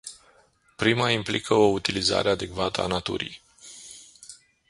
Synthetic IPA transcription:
pɾimaimplikʰəout̪iliza̰ɾʔead̪e̞kvat̪əa̰nat̪ṵɾḭj

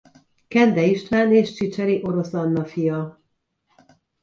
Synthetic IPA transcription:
kɛnd̪ɛiʃt̪ʋaːneːʃt͡ʃit͡ʃɛɾiʔo̞ɾo̞sɒnːɒfijɒ

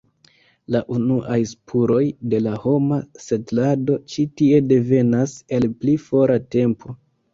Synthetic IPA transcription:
laʔunuʔajspʰuɾo̞jde̞laho̞mase̞tlado̞t͡ʃitie̞de̞ve̞nase̞lplifo̞ɾate̞mpʰo̞

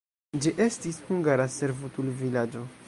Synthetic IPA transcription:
d͡ʒiʔe̞stishuŋɡaɾaseɾvutulvilad͡ʒo̞

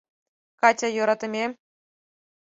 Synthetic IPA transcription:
kɑtʲɑjuɾɑt̪ɤ̆mʲe

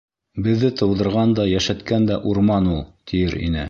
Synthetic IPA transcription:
bɘ̆ðːɘt̪ʰɤ̆wðɤ̆ɾʁɑnd̪ɑjæʃæt̪kænd̪æʔuɾmɑnulˠt̪ʰijɘɾḭnɘ̰

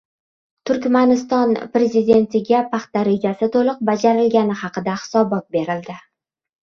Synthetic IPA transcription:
t̪ʰʊɾkʲmanɪst̪ɒnpɾe̞zid̪e̞nt̪ʰɪɡʲapʰaχt̪ːaɾe̞d͡ʒʲasɪt̪ʰolˠɨq̚bad͡ʒaɾɪlɡʲanɪhɑqɨd̪ahɪ̥sɒbɒt̪̚be̞ɾɪld̪ɪ

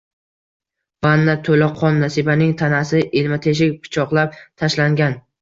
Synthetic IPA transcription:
b̥anːat̪ʰolaqʰɒnːasibanɪŋt̪ʰanasɪʔelmat̪ʰe̞ʃ̬ɪkʲpʰɪ̥t͡ʃʰɒqlˠap̚t̪ʰaʃlaŋɡʲan

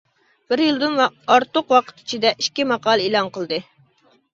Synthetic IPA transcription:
b̥ɪɾjilˠd̪ɨnwɑɾt̪ʊqwɑqʰə̥t̪ʰi̥t͡ʃʰid̪ɛʔiʃkʲimɑqɑːlˠelˠɑŋqəlˠd̪ɨ

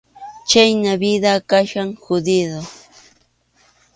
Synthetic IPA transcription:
t͡ʃajnaβid̪akaʃaŋhʊd̪ɪd̪o

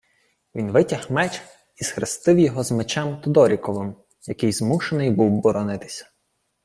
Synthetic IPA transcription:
ʋʲinʋɪtʲɐhmɛt͡ʃ | isxɾɪst̪ɪwjɔɦɔzmet͡ʃɛmt̪ɔd̪ɔɾʲikɔʋɪm | jɐkɪjzmuʃenɪjbuwbɔɾɔnɪt̪ɪ̥sʲɐ̥

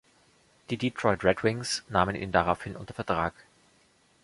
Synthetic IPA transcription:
d̥iːditʁ̥ɔʏtʁɛdwɪŋsnaːmənʔḭːndaʁaʊfhɪnʔʊ̰ntɐfɛɐtʁ̥aːk

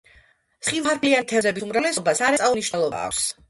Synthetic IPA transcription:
sχiaɾd̪lianit̪ʰɛzɛbisumɾavlɛsɔbasaɾasʼauniʃnɛlˠɔba̰ːkʰs

